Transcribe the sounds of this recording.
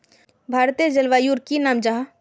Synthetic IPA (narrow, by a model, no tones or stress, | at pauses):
bʱaːɾt̪ed͡ʒəlʋaːjuɾkinaːmd͡ʒaɦ